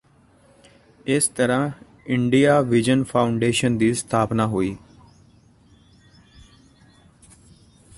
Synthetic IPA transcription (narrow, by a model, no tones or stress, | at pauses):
ɪst̪əɾãː | ɪɳɖijaːʋɪd͡ʒənpʰaːʊɳɖeːʃənd̪iːst̪ʰaːpnaːɦoːiː